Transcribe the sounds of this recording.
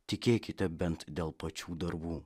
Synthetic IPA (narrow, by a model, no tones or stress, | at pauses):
t̪ʲɪkʲeːkʲɪt̪ʲɛbʲɛnt̪d̪ʲeːlˠpɐt͡ʃʲuːd̪ɐɾbuː